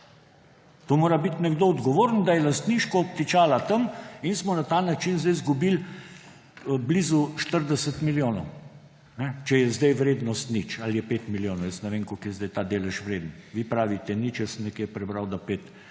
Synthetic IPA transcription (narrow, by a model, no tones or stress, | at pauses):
t̪omoːɾabit̪nɛɡd̪oɔd̪ɡɔʋoːɾnd̪ajɛlast̪niʃkɔːp̚t̪it͡ʃaːlat̪əminsmɔnat̪aːnat͡ʃinzd̪ɛjzɡubil | blizuʃt̪əɾd̪ɛsət̪miljoːnɔw | nɛt͡ʃɛjɛzd̪ɛjʋɾeːd̪nɔst̪nit͡ʃaljɛpeːt̪miljoːnɔwjəsnɛʋeːŋkokjɛzd̪ɛjt̪aːd̪eːlɛʃʋɾeːd̪ənʋipɾaːʋit̪ɛnit͡ʃjɛsənnɛkjepɾɛbɾawd̪apeːt̪